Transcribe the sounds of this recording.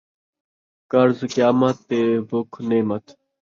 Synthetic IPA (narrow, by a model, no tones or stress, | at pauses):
kɐɾzkjaːmɐt̪ːebʊkʰneːmɐt̪